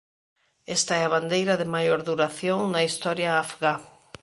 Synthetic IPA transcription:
est̪aɛaβand̪ejɾɐðɪmajoɾðuɾaθjoŋnɐist̪ɔɾjaafɣa

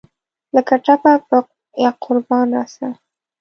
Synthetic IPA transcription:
ləkaʈapapə | jɑqʰʊɾbɑnɑsa

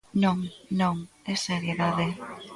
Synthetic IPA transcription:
nõŋnõŋɛseɾjeðaðe

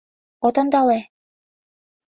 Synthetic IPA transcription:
ot̪ŏnd̪ɑle

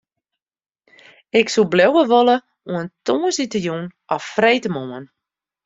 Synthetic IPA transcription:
ɪksublɛwəʋolə | uəntoːənsitəjunʔɔfːrejtəmoən

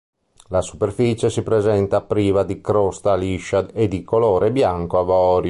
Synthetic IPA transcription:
lasu̥perfit͡ʃesipɾezɛnt̪apːɾiːvad̪ikɾost̪aliʃaed̪ikoloːɾʔebjaŋkoavɔːɾj

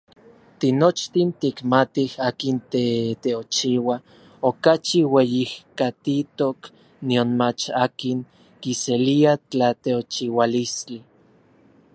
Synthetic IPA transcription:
t̪inot͡ʃt̪int̪ikmat̪ihaːkint̪et̪eot͡ʃiwa | okat͡ʃiwejihkat̪it̪ok | nionmat͡ʃaːkiŋ | kiseliat͡ɬat̪eot͡ʃiwalist͡ɬi

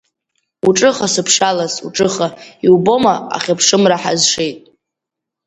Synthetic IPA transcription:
uʈ͡ʂʼɨχasɨpʰʂalasṵʈ͡ʂʼɨχaiubo̞maa̰χʲapʰʂɨmraħa̰zʂe̞jtʼ

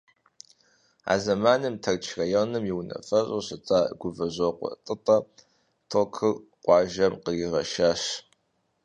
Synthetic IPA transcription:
a̰ːzɐmaːnɨmtʰɐrt͡ʃʰrɐjonɨmjiwnɐ̰fɐɕʼoɕɨt͡sʼaːɡʷʊvɐʑʷoqʷɔ̰tʼɨtʼɐ | tʰokʰɨr | qʷʼɑːʒɐmqəriʁɐʃaːɕ

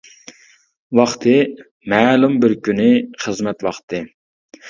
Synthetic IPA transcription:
wɑχt̪ʰɨ | mɛːlumbɪɾkʲynɪχəzmɛt̪wɑχt̪ʰɨ

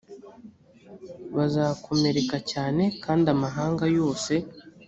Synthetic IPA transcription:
βazaːkʰo̞me̞ɾe̞kacaːne̞kaːndamaɦaːŋɡajo̞ːse̞

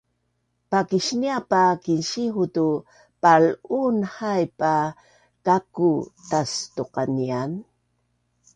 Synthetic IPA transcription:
pakiʃniapakinʃixut̪u | palunhajpa | kakut̪ast̪oqɑnian

